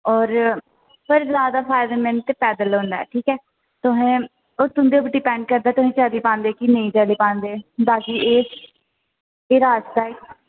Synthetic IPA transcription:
ɔːɾ | pəɾzaːd̪aːpʰaːjd̪əmɛnt̪eːpɛːd̪əlõːnd̪a̰ɛ̰ːʈʰiːkɛː | t̪ʊɦɛ̃ː | oːt̪ʊnd̪eːʊp̬ɖɪpɛ̃ːɳɖkəɾd̪aːt̪ʊɦẽːt͡ʃaliːpãːnd̪eːkinəĩːt͡ʃəːliːpãːnd̪eːd̪aːɡiːeː | ɪɾaːst̪aːɪk

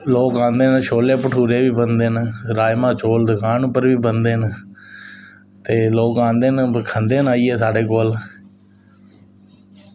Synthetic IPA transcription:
loːkãːnd̪eːnəʃoːleːpəʈʰuːɾeːʋiːbənd̪eːnɾaːjmãːt͡ʃoːld̪ʊkʰaːnpəɾʋiːbənd̪eːn | t̪eːloːkãːnd̪eːnkʰənd̪eːnaːiːɛːsaːɖeːkoːl

